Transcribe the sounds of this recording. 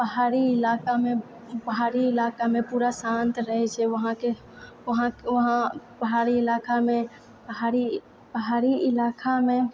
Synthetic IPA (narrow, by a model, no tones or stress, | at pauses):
bəɦaːɾiɪlakamẽ | bəɦaːɾiɪlaːkamẽpuːɾasãnt̪ɾəɦɛt͡ʃʰɛʋəɦãke | ʋəɦãkʋəɦãpəɦaːɾiɪlaːkamẽ | bəɦaɾi | bəɦaːɾiɪlaːkʰamẽ